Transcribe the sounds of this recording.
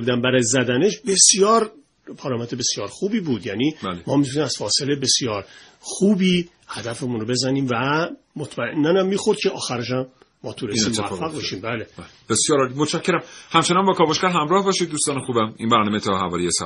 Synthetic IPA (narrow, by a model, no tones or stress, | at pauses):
bud̪æmbæɾɒːjezæd̪æne̞ʃbe̞sjɒːɾ | pʰɒːɾɒːmæt̪ʰebe̞sjɒːɾxuːbiːbuːd̪jæːniːbælemɒːmit̪ʰuniːmæz̥fɒːselebe̞sijɒːɾ | xuːbiː | hæd̪æfemunɾobe̞zæniːmvæ | mot̪ʰmæenːænæmːiːxo̞ɾd̪̥̚cʲʰe̞ʔɒːxæɾeʃæmː | ɒːt̪ʰuːɾeimːæfːæɣbeʃiːmbæːle | b̥esjɒːɾɒlimot̪t͡ʃʰʃæcʰːeɾæmhæmt͡ʃʰenɒnbɒːkʰɒːboʃkæɾɦæmɾɒːhbɒːʃiːd̪̚ːuːst̪ɒːnexuːbæminbæɾnɒːmet̪ʰɒhævɒːɾijesæ̰